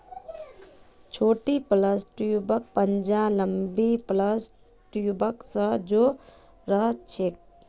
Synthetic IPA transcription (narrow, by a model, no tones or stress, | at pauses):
t͡ʃʰoːʈipləsʈubək̚pənd͡ʒaləmbipləs | ʈubəksə̃d͡ʒo | ɾəɦt̪̚t͡ʃʰek̚